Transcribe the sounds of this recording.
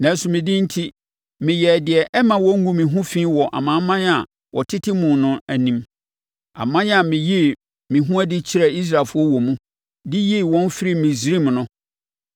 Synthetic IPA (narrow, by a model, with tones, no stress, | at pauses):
nã˨˦su˨mɪ̃˨dɪ̃˦n̩˦tʰi˦ | mɪ̃˨jɛ˨dɪ˨ɛ˨ʔɛ˦mã˨wɔ˦ŋ̩˦ɡũ˦mɪ̃˨ɦũ˦fĩ˦wɔ˨ʔa̰˨mã˨˦mːã˦n˦a˨ | wʔɔ˨tʰɪ˦tʰɪ˦mũ˨nʊ̃˦æ˨nĩ˦m | a̰˨mã˦n˦a˨mɪ̃˨ji˦ | mɪ̃˨ɦũ˦æ˦dɪ˦t͡ɕʰɪ˦ɾɛ˨i˦s̬ɾaː˨fʊ˦ɔ˦wɔ˨mũ˦ | dɪ˦ji˦˨wɔ̃˦n˦fɪ˦ɾi˦˨mɪ̃˨zɾi˦m˨nʊ̃˦